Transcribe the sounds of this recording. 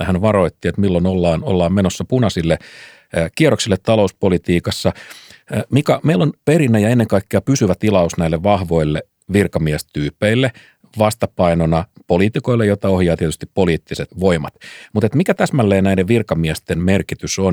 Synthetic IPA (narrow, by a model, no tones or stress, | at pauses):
hænʋɑɾo̞it̪ːiet̪milːonolːɑːno̰lːɑːmmenosːɑpunɑsilːe | kieroksilːet̪t̪ɑlo̞uspolit̪iːkɑsːɑ | mikɑmeilːonpeɾinːæjɑenːeŋkɑikːeɑpysyʋæt̪ilɑusnæilːeʋʋɑhʋo̞ilːe | ʋirkɑmiɛst̪yːpeilːe | ʋɑst̪ɑpɑinonɑpoliːt̪iko̞ilːejot̪ɑohjɑːt̪iet̪yst̪ippoliːt̪ːiset̪ʋo̞imɑt̪mut̪et̪mikæt̪æsmælːeːnæideʋʋirkɑmiɛst̪enmerkit̪yson